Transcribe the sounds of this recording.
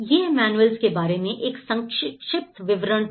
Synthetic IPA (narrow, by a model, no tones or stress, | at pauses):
jeːmɛːnuelzkebaːɾemẽʔeːksɐ̃ŋkʃʃɪp̚t̪ʰʋɪʋɾəɳ̃